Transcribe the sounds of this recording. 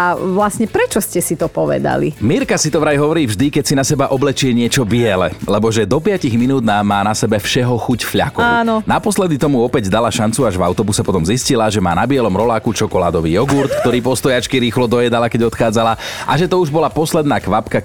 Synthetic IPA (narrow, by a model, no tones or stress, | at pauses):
aʋlasɲɛpɾɛt͡ʃɔscɛsit̪ɔpɔʋɛ̰d̪a̰lḭmiɾkasit̪ɔʋɾajɦɔʋɔɾiːvʒd̪ikɛcsinasɛbaʔɔblɛt͡ʃiɛɲɪɛt͡ʃɔbɪɛlɛ̰lɛbɔʒɛd̪ɔpɪaciɣminuːd̪namaːnasɛbɛfʃɛɦɔxucfʎa̰kɔaːnɔnapɔslɛd̪it̪ɔmuɔpɛɟd̪alaʃant͡suaʒvaʊt̪ɔbusɛpɔt̪ɔmziscilaʒɛma̰ːnabɪɛlɔmɾɔlaːkut͡ʃɔkɔla̰ːd̪ɔʋiːjɔɡuɾt̪kt̪ɔɾiːpɔst̪ɔjat͡ʃkiɾiːxlɔd̪ɔjɛd̪alakɛɟɔt̪xaːd͡zalaʔaʒɛt̪ɔuʒbɔlapɔslɛd̪naːkʋapka